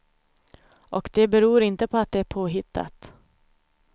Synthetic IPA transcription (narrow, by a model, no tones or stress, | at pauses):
ʔɔkd̪ɛbɛɾuːɾɪnt̪əpʰɔat̪̚d̪ɛæɾpʰoːɦɪt̪ʰːa̰t̪